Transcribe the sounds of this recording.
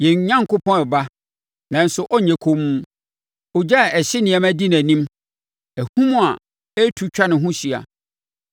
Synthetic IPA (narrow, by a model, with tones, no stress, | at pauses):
jɛ̃˨ɲ˨˦ɲã˦ŋ˨kʰʊ˦pʰɔ̃˦ɛ˨ba˦ | nã˨n̩˨˦sʊ˨ʔɔ˦ɲɛ̃˨kʰo˦mũ˦ | ɔ˨d͡ʑa˦˨ɛ˨ɕɪ˦nɪ̃˨ɛ˨mæ˦di˦n˨æ̃˨nĩ˦m | æ˨hũ˦mũ˦a˨ | ɛ˦tʰu˨˦t͡ɕᶣa˦nɪ̃˨ɦʊ̃˦ɕi˨a̰˨